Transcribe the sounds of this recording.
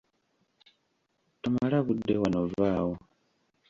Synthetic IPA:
tumalaβudːe̞wanovaːwo

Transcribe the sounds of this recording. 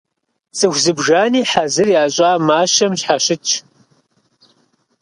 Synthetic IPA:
sʼɨxʷzɨbʒaːniːħazɨrjaːɕʼaːmaːʃɐmɕħaɕɨt͡ʃʰ

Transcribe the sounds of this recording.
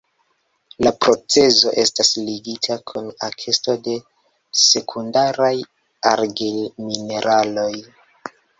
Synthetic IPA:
lapɾo̞t͡se̞zo̞ʔe̞stasliɡitʰakʰunakʰe̞sto̞de̞ | se̞kʰundaɾaj | aɾɡelmine̞ɾʔalo̞j

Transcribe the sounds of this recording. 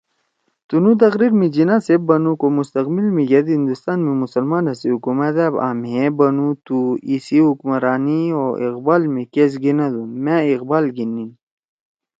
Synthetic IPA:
t̪unut̪̬ɐxɾiɾmid͡ʑinasebbɐnukomust̪ɐqbilmĩɡɐd̪ɦĩnd̪ust̪aːnmĩmusɐlmaːnɐseɦukumɐt̪eba̰ːmɦebɐnut̪uisiɦukmɐɾaːnioḭqbaːlmẽkes̬ɡinad̪unmãiqbaːlɡinːi

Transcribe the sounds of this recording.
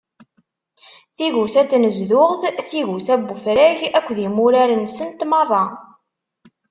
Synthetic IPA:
θiʝuθæt̪ːnəzðʊʁθθiʝuθæbːufɾæʝækʷːðimʊɾaɾənːsənt̪mɑrˤɑ

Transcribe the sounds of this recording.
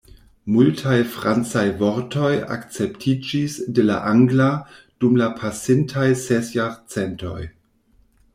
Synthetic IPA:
multʰajfɾant͡sajvoɾtʰo̞ja̰kt͡se̞ptʰid͡ʒisdela̰ʔaŋɡla | d̥umlapʰasintʰajsesjaɾt͡sento̞̰j

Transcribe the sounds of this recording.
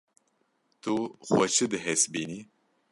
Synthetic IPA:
t̪uxwɛt͡ʃʰɨd̪ɨɦɛsbiːni

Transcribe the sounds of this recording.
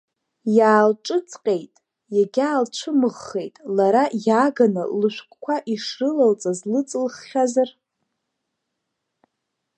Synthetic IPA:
jaːlʈ͡ʂʼɨt͡sʼqʲʼe̞jtʼ | jaɡʲaːlt͡ʃʷʰɨmɨʁːe̞jtʼlaɾajaɡanɨ̰lɨʃʷᶣkʷʰʼkʷʰaʔiʂrɨlalt͡sʼazlɨt͡sʼɨlχːʲazar

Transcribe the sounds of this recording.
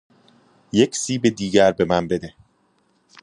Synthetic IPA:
jecʰsiːbed̪iːɟæɾbe̞mænbe̞d̪e

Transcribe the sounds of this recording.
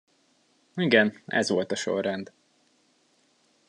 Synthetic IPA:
iɡɛnɛ̰zʋo̞lt̪ɒʃo̞̰rːɛnd̪

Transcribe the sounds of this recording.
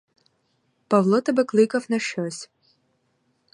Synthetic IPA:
pɐvlˠɔt̪ɐbɨklˠɨkɐfnɐʃɔsʲ

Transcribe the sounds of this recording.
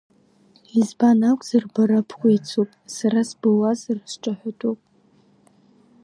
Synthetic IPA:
izbanakʷʼz̥arbaɾapʰkʷʰʼajt͡sʰupʼsaɾasbɨwazrsʈ͡ʂʼaħʷᶣatʼupʼ

